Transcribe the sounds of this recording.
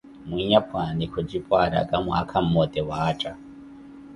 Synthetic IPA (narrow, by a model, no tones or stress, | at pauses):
muiɲapʰwanikʰod͡ʒipʼaɾa̰kʼamua̰kʰam̩motewaːt͡ʃʼa